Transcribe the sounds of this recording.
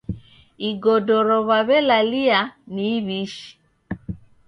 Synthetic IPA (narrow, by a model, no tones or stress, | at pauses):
iɡɔdɔɾɔβaβɛlalianiːβiʃi̥